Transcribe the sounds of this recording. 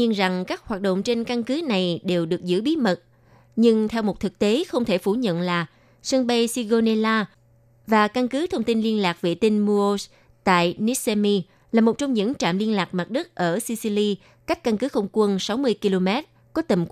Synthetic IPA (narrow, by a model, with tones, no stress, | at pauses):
i˧ənza˨˩ŋkaː˦˥k̚haː˨˩t̚ɗo̰˧˨ŋ͡mt͡ɕe˧nka˧nkɨ˨˦na˨˩jɗe˨˩wɗɨ˨˩ək̚zɨ̰˧˥ɓi˨˦mə˨˩t̚ | ɲɨ˧ŋt̪ʰɛ˧wmo˨˩t̚t̪ʰɨ˨˩k̚t̪e˨˦xə˧wŋ͡mt̪ʰe˧˩fu˧˩ɲə̰˧˨nlaː˨˩ | sə˧nɓa˧jsi˧ɣo˧ne˧laː˧ | vaː˨˩ka˧nkɨ˨˦t̪ʰə˧wŋ͡mt̪i˧nli˧ənlaː˨˩k̚vḭ˧˨t̪i˧ŋmu˧o˧s | t̪a̰ː˧˨jni˨˦˥se˧mi˧ | laː˨˩mo˨˩t̚t͡ɕɔ˧wŋ͡mɲɨ̰˧˥ŋt͡ɕa̰ː˧˨mli˧ənlaː˨˩k̚ma˨˩t̚ɗɨ˦˥t̚ʔəː˧˩si˧si˧li˧ | ka˦˥jk̟̚ka˧nkɨ˨˦xə˧wŋ͡mkwə˧nsa˨˦wmɨ˧əjki˧lo˧mɛ˦˥t̚ | kɔ˨˦t̪ə˨˩mk